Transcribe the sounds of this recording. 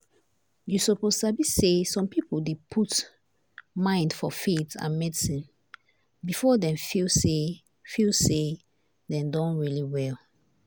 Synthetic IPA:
jusɔpozabisesɔ̃mpipoldepʰut | mãɪ̃ndfɔfetã̰nmɛdisĩn | bifɔdɛ̃mfilse | filse | dɛ̃mdɔ̃nɹiliwɛl

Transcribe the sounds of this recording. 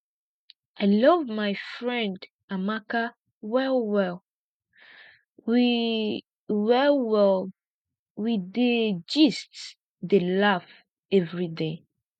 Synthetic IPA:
aɪlʌvmaɪfɹɛ̃nd | amaka | wɛlwɛl | wi | wɛlwɛlˠ | wided͡ʒist | delaf | ɛvɹide

